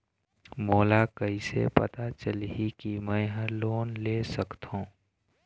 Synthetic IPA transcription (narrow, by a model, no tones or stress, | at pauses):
moːlakəisḛpə̰t̪at͡ʃəlɦikimɛ̃ɦə̃loːnlesəkt̪ɦũː